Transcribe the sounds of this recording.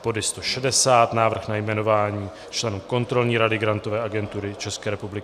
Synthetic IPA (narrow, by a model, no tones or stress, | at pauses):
po̞dɪst̪o̞ʃɛdɛsaːt̪naːvr̩xnajmɛno̞vaːɲiː | t͡ʃlɛnumko̞nt̪ɾo̞lɲiːɾadɪɡɾant̪o̞vɛːʔaɡɛnt̪uɾɪt͡ʃɛskɛːɾɛpublɪk